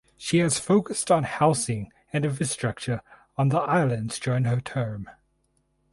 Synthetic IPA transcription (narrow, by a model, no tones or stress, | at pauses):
ʃiɨz̥foʊkəstn̩haʊsɪ̃ŋ | ɨ̃nɨvɪstɹ̥ʌk̚t͡ʃə˞ | ə̃nðiʔaɪlˠə̃ndz̥d͡ʒɔ̃ɹɪ̃ŋətʰɜ̃ːm